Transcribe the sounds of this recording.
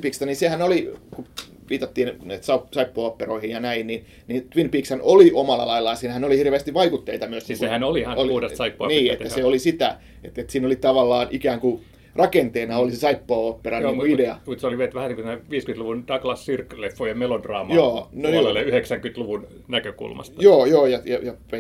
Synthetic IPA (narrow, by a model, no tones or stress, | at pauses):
piːkst̪ɑnisehænoliku | ʋiːt̪ɑt̪ːiːnnæit̪sɑusɑipːoɑpːeroihijjɑnæinnin | nint̪ʋinpiːkshænoliʔomɑlːɑ̰lɑilːɑjɑsiːnhænolihirʋeːst̪iʋʋɑikut̪ːeit̪ɑmyøsniŋsehænolihɑnouhdessɑipːoɑniːet̪ːæsseolisit̪æ̰ | et̪ːet̪siːnolit̪ɑʋɑlːɑːnʔikæːŋku | rʔɑkent̪eːnɑolisesɑipːoːopːerɑniːŋuideɑmut̪seoliʋet̪ʋæhæniŋkut̪eneʋiːskyet̪luʋund̥ɑɡlɑssirklefːojɑmelodrɑːmjoːnonlːeyheksæŋkyt̪luʋun | nækøkṵlmɑ̰st̪joːjoːjɑjɑjɑpe